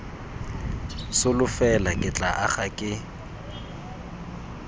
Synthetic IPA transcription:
sʊlʊfɛlakʼɪt͡ɬʼaʔaχakʼɪ

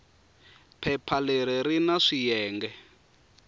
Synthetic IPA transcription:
pʰɛpʰaleɾiɾinaʂijɛːŋɡɛ

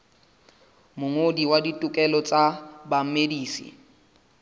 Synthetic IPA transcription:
mʊŋodiwaditʼʊkʼɛlɔt͡sʼabam̩mediːsḭ

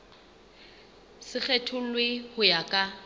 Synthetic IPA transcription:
sɪk͡xʰɛtʰʊlwehʊjakʼa

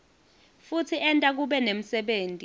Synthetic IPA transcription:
futʰiɛntʼak̬uɓɛnem̩sɛɓeːntʼi

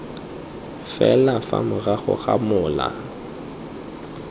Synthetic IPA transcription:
fɛlafamʊraχʊ̰χamʊːla̰

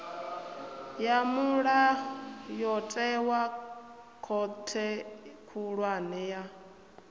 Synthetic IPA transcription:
jamuɺajɔtʼɛwa | kʰɔtʰɛkʰuɺwanɛja

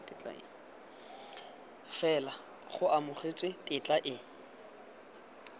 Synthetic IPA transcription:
tɪt͡ɬʼa̰ɪ̰ | fɛla | χʊamʊχet͡sʼɪtʼɪt͡ɬʼaʔɪ

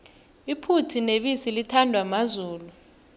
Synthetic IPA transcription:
ipʰutʰineɓisilitʰandʱwamazuːlu

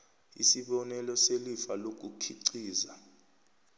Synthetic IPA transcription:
isiɓɔnɛlɔselifalok̬ʼukʰiǀiːza

